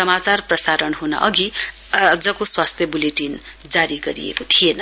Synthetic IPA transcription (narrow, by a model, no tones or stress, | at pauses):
sʌmat͡sarprʌsaɾʌnɦunʌ̰ʔʌɡi | ʌd͡zʌkoswast̪ʰjʌbuleʈin | d͡zaɾiɡʌɾḭjḛkot̪ʰijenʌ